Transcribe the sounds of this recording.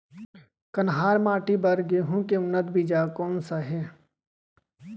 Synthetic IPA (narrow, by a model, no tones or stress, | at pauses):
kɐnɦaːɾmaːʈibɐɾɡeɦũkeʊnːət̪biːd͡ʒaːkɔːnsaɦɛː